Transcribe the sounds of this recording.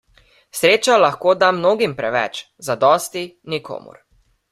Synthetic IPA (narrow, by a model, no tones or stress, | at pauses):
sɾeːt͡ʃalaxkoːd̪amnoːɡimpɾɛʋɛ̰t͡ʃ | zad̪ɔːst̪inikʰo̰ːmṵɾ